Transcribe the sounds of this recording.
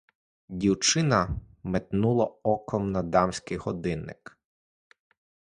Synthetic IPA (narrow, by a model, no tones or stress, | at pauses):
dʲiwt͡ʃɪnɐmet̪nulˠɐɔkɔmnɐd̪ɑmsʲkɪjhɔd̪ɪnɪ̰k